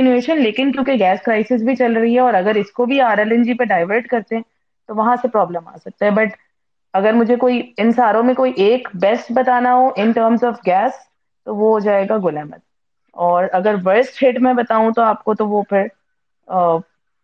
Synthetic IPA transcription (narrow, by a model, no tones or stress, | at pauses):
ɪneːʃənleːkɪnkjõːkeɡɛːskɾaːɪsɪs̬bʱit͡ʃɐlɾɐɦiɦɛɔːɾɐɡəɾɪskobʱiaːɾəlɪ̃nd͡ʒipeɖaːɪʋəɾʈkɐɾt̪eɦɛ̃ | t̪oʋɐɦãsepɾɔːbləma̰ːsɐk̚t̪aɦɛ̃bɐʈ | ɐɡəɾmʊd͡ʒʱekoːiɪnsaːɾõmẽkoːiʔeːkbɛsʈbɐt̪aːnaɦoʔɪnʈəːɾmzɔːfɡɛːs | t̪oʋoɦd͡ʒaːeːɡaɡʊlɛːmə̰t̪̚ | ɔːɾɐɡəɾʋɐɾsʈʰeːʈmɛ̃bɐt̪aːũt̪oaːp̚kot̪oʋopʰɪɾ | ə